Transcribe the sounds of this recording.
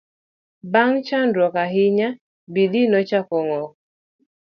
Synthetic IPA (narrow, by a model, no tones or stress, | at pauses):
baŋt͡ʃandɾɔkaɦɪɲa | bidinɔt͡ʃakɔŋɔk